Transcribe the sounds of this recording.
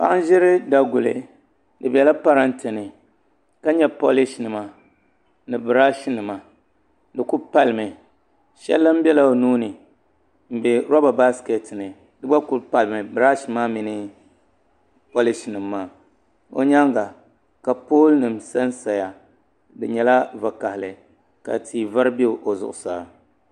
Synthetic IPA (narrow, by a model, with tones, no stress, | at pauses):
pa̰˦ŋ˦ʒɪ˦ɾɪ˦da˨ɡʊ˨lɨ̰˨ | dɨ˨bɛ˨la˦pa˦ɾa˦ntɨ˨nɨ˨ | ka˦ɲɛ˦po˦li˦ʃnɨ˨ma˨ | nɨ˨bɨ˨ɾa˦ʃnɨ˨ma˨ | dɨ˨ku˦pa˦lɨ˨mɨ˨ | ʃɛ̰˦lːa˦m̩˦bɛ˦la˨o˨nuː˦nɨ˨ | m̩˨bɛ˨ɾo˦ba˨ba˦ske˨tnɨ˨ | dɨ˦ba˦ku˦lpa˨lɨ˨mɨ˨bɨ˨ɾa˦ʃmaː˦mi˨nɨ˦ | po˦lɪ˦ʃnɨ˨mːaː˦˨ | o̰˨ɲa˦ŋɡa˨ | ka˨poː˦lnɨ˨msa˦nsa˨ja˨ | dɨ˨ɲɛ˨la˦va˨ka˨hɪ˨lɨ˨ | ka̰˨tʰiː˨va˦ɾbe˦˨ʔo˨zʊ̰˨ʔʊ˨saː˦